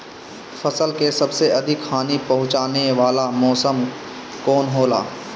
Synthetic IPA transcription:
fɐsəlkesɐbseʔɐd̪ʱɪkʰaːnipɐɦʊ̃t͡ʃaːneʋaːlamɔːsəm | kɔːnɦoːla̰ː

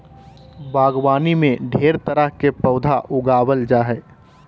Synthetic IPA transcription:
baːɡwaːnimẽɖʱeːɾt̪əɾəɦkepəʊd̪ʱaʔʊɡaːwəld͡ʒaɦɛː

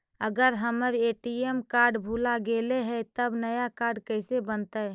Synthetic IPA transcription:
əɡəɾɦəməɾeʈiemkaɾɖbʱulaɡeleɦɛt̪əbnəjakaɾɖkəɪsebənt̪ə

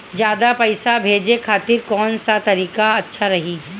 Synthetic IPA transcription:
d͡ʒjaːd̪apɐɪsabʱeːd͡ʒekʰaːt̪ɪɾkɔːnsat̪ɐɾiːkaɐtːʃʰaɾɐɦiː

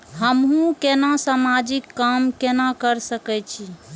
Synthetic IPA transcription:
ɦəmɦũkenasamad͡ʒikːamkenakəɾsəkɛt͡ʃʰi

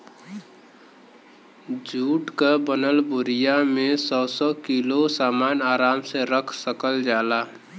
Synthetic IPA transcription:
d͡ʒʱuːʈkabənəlbʊɾɪjamẽsɔːsɔkilosaːmaːnaːɾaːmseɾəkʰsəkəld͡ʒaːlaː

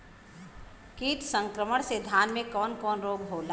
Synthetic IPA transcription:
kiːt̪sə̃ŋkɾəməɽ̃sed̪ʱjaːnmẽkɔːnkɔːnɾoːɡɦoːlaː

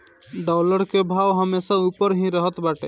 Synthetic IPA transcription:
ɖɔləɾkebʱawɦəmesaupəɾɦĩɾəɦət̪baʈḛ

